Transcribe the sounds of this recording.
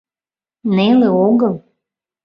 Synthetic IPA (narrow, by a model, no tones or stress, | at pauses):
neleoɣəlˠ